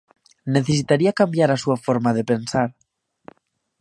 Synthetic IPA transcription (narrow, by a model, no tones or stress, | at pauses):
neθes̬it̪aɾiakambjaɾasuafoɾmaðepensaɾ